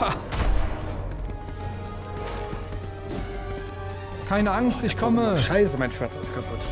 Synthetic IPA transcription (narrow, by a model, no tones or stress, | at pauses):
a | kʰaɪnəaŋstɪçkʰɔməʃaɪsəmaɪnʃv̥aɐt͡sɪstkʰapʰʊt